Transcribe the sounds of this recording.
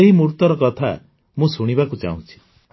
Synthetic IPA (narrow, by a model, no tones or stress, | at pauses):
eɦimuɾt̪ɔɾɔkɔt̪ʰa̰ | mũsuɽ̃ibakut͡ʃa̰ɦṵ̃t͡ʃʰi̥